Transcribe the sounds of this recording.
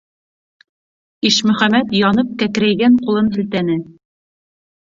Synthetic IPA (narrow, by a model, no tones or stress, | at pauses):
iʃmɵ̆χæmæt̪jɑnɤp̚kæk̆ɾæjɡæɴqulˠɤnɦɘ̆lt̪ænɘ